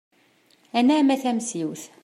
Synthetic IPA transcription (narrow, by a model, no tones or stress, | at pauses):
ænæmæθæmsiwθ